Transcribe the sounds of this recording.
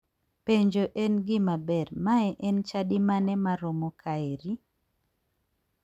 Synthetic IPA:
peɲd͡ʒoʔenɡɪmabɛrmaɛʔɛnt͡ʃadimanɛmaɾomokʰaeɾi

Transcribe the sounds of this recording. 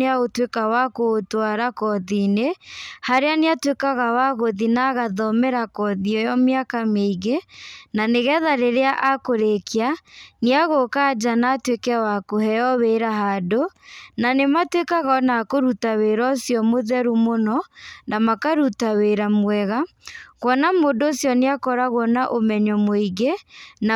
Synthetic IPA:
eaotwekawakoːtwaɾakɔðinehaɾeaneatwekaɣawaɣoðinaɣaðɔmɛɾakɔðiɔjɔmeakameiɣenaneɣɛðaɾeɾeaʔakoɾekeaniaɣokad͡ʒanaːtwekɛawakuhɛjɔweɾaɦadonanematwekaɣɔnakoɾutaweɾɔsjɔmoðɛɾumonɔnʔamakaɾutaweɾamwɛɣakwɔnamodosjɔneakɔɾaɣwɔnaʔomɛɲɔmoiɣena

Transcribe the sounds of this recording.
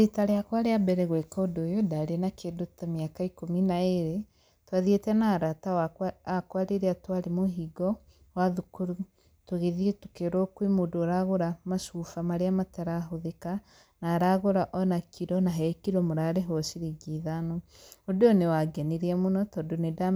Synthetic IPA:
ɾetaɾeakwaɾeabɛɾɛɣwɛkɔodojodaɾeenakʰedotɔmeakaikominaeɾe | twaðietɛnaːɾataaakwaɾeɾeatwaɾemoɦiɡɔ | waðukuɾu | toɣeðieto̥keɾɔkwemodoɾaɣoɾamaʃufamaɾeamataɾaɦoðeka | naːɾaɣoɾaʔɔnakʰiɾɔnaɦɛkiɾɔmoɾaɾeɦɔsiɾiɡiðanɔ | odeɔnewaɡɛneɾiɛmonɔtɔdoneda

